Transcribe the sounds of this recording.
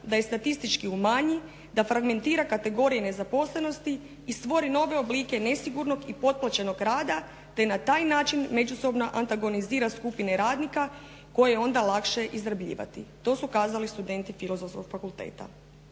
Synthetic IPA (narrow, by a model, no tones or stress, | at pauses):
d̪aje̞st̪at̪ist̪it͡ʃkiumaɲi | d̪afɾaɡme̞nt̪iːɾakat̪e̞ɡo̞ɾijene̞zapo̞slˠe̞no̞st̪iː | st̪ʋo̞ɾino̞ʋe̞o̞bliːke̞ne̞siɡuɾno̞ɡipo̞t̪̚plˠat͡ɕeno̞ɡɾaːd̪a | t̪e̞nat̪aːjnaːt͡ʃinme̞d͡ʒuso̞bno̞ʔant̪aɡo̞niziːɾaskupineɾaːd̪nika | ko̞jeeo̞nd̪alˠakʃe̞ʔizɾabʎḭːʋa̰t̪ḭt̪o̞ːsukaːzalist̪ud̪e̞nt̪ifilo̞zo̞fsko̞ɡ̥fakulˠt̪e̞̰ːt̪a̰